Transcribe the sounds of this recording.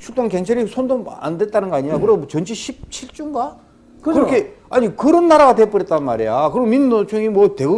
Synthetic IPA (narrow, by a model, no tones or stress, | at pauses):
t͡ɕʰuk̚t͈oŋkeŋt͡ɕʰaɾisʰondoŋa̰ndwet̚t͈anɯnɡʌaɲijakɯɾet͡ɕʌnt͡ɕʰiɕʰip̚t͡ɕʰiɭt͡ɕ͈uŋɡa | kkɯɾokʰe̞aɲikɯɾʌnːaɾaɡatep͈ʌɾet͈̚anma̰ɾejakɯɾiɡominːot͡ɕʰuŋimwʌte̞ɡɯ